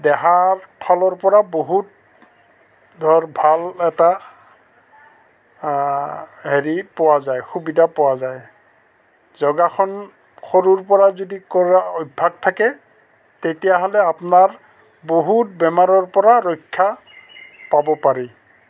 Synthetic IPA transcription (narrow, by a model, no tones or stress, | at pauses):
dɛɦaɹpʰalɔɹpɔɹaboɦut̚ | dʱɔɹbʱalɛta | ɦeɹipɔwazajxubidapɔwazaj | zɔɡaxɔn | xoɹuɹpɔɹazodikɔɹaɔbʱaɡ̚tʰakɛ | tetijaɦɔlɛapnaɹ | boɦut̚bɛmaɹɔɹpɔɹaɹɔjkʰːa | pabɔpaɹi